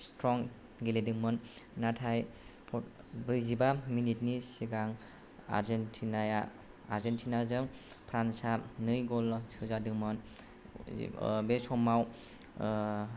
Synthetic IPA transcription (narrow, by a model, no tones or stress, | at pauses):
stɾɔŋ | ɡeledɯŋmɯnːatʰajpʰɔ | bɯzibaminit̚nisiɡaŋ | a̰ɾzentʰinajaː | ɾzentʰinazɯŋpʰɾansanɯjɡɔlsɯzadɯŋmɯn̰ | besɔmaw